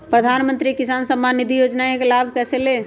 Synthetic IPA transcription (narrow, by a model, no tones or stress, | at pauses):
pɾəd̪ʱanmənt̪ɾikisansəmːanːid̪ʱijod͡ʒnaekelabʱkɛsele